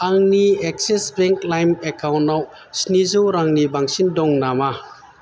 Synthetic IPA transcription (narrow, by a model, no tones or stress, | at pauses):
aŋniek̚sesbɛŋklajmekawntːaw | snizɯwɾaŋnibaŋsindɔŋnama